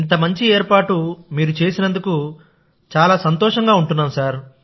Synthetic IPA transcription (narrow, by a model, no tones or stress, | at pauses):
int̪ɐmɐɲt͡ʃieːɾpaːʈumiːɾut͡ʃe̞ːsinɐnd̪uku | t͡ʃaːlaːsɐnt̪ɔːʂɐŋɡaːuɳʈunːaːmsaːɾ